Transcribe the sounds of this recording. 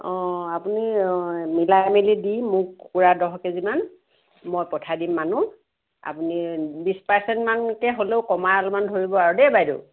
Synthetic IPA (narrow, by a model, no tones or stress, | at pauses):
ɔ̃apunimilajmelidimʊkkuɹadɔɦɔkeziman | mojpɔtʰadimːanu | a̰punibispɛɹsɛntmankɛɦoleʊkɔmaalumandʱoɹibɔaɹudɛbajdo̰